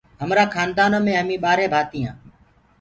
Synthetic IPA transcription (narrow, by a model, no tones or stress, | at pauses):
ɦəmɾaːkʰaːnd̪aːnoːmẽːɦəmĩːɓaːɾeːbʱaːt̪iːã̰ː